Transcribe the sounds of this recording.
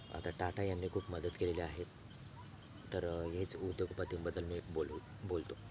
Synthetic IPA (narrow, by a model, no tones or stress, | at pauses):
a̰t̪aʈaʈajanːiːkʰuːpməd̪ət̪keleleaɦet̪ | əɾɦet͡sud̪joɡpət̪iːnbəd̪əlmiːbo | bolt̪o